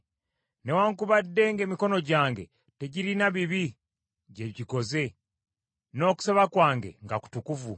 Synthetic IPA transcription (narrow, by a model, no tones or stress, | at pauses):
ne̞waŋkuβadːe̞ŋɡe̞ːmiko̞no̞ɟaːŋɡe̞̰ | te̞ɟiɾinaβiβi | ɟeɟiko̞ze̞ | no̞ːku̥seβakwaːŋɡe̞̰ŋɡaku̥tukuvu